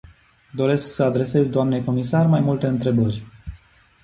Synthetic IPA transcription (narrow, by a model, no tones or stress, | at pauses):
d̪o̞ɾe̞sksəad̪ɾe̞se̞zʲd̪oamne̞ko̞misarmajmult̪e̞ɨnt̪ɾe̞bərʲ